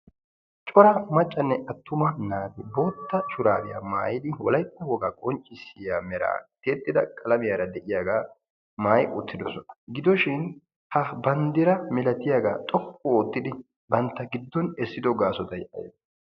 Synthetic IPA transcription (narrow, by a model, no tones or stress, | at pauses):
t͡ʃʼɔɾɐmɐt͡ʃʼːɐnːɛɐt̪ːʊmɐnaːd̪ɪbo̞ːt̪ːɐʃʊɾaːbɪja̰ːmaːjɪd̪ɪwɔ̰lɐjpːɐwɔɡaːkʼɔnt͡ʃʼːɪsɪjaːmɛɾa̰ːt̪eːt̪ʼːɪd̪ɐkʼɐlɐmɪjaːɾɐd̪ɛʔɪjaːɡaː | maːjʔʊt̪ːɪd̪ɔsɔnɐ̥ɡɪd̪ɔʃɪn | hɐbɐnd̪ɪɾɐmɛlɐt̪ɪjaːɡaːt̪ʼɔkʼːɔoːt̪ːɪd̪ɪ | bɐnt̪ːɐɡɪd̪ːɔnɛsːɪd̪ɔɡaːsɔt̪ɐjʔɐ̰jɛ